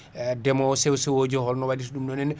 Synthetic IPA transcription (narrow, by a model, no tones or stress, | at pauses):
dɛmɔsɛwsɛwod͡ʒɔhɔlnɔwadisɗumdɔnɛn